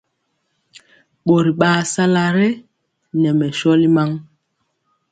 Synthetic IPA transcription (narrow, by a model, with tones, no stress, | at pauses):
ɓo˨ɾi˨ɓaː˨sa˦la˦ɾe˦ | nɛ˨mɛ˨ʃɔ˦li˦ma˦ŋ